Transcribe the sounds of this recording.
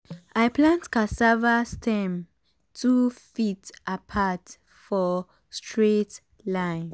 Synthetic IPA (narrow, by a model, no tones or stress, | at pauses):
ajplãntkasavastʰɛ̃m | tʰufitʔapʰat | fɔ | stʰɹet | lãɪ̃n